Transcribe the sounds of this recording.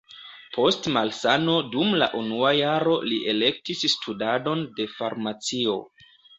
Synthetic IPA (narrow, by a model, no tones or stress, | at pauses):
pʰo̞stmalsano̞dumla̰ʔunuajaɾo̞liʔe̞lek̚tisːtʰudado̞nde̞faɾmat͡sio̞̰